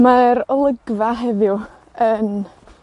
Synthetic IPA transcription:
maɾɔlˠəɡvaɦɛðjʊ | ən

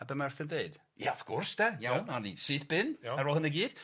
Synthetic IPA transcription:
abəmɛrθəndeɨd̥ | jaɔv̥kʰɔrsdɛjawnanḭsɨːθb̥ɪnɛɾoːlhənəɡiːd̥

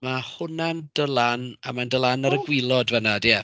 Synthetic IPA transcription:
mahʊnand̥əlˠana̰mandəlˠanaɾəɡwɪlˠɔdvɛnadɛ

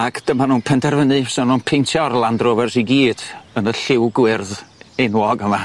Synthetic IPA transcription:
aɡd̥əmanuːnpʰɛndɛrvənɨsɔnuːnpʰentʰjɔrlˠandroːvɛrsiɡiːd̥ənəɬɪwɡwɪrðenwɔɡəma

